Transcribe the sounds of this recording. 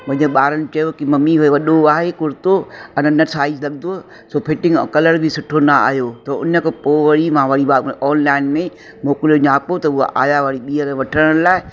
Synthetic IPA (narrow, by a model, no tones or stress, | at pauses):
pɐ̃ɦɪ̃əɓaːɾənɪ̆t͡ɕɐjokimɐmːiɦʊeʋɐɗoaːɦekʊɾt̪oɐnnɐsʰaːizlɐɠnd̪o | soːpʰɪʈɪ̃ŋɡkɐləɾbʱɪsʊʈʰonaa̰ːɦjot̪ɐʊ̰nəkʰpoːʋɐɽimãʋɐɽiaɔːnlaːɪnmẽ | moːkɪloɲaːpot̪ɐʊa̰ʔa̰ːjaʋɐɽiɓiːəɾʋɐʈʰəɽ̃ə̃ɽ̃laːɪ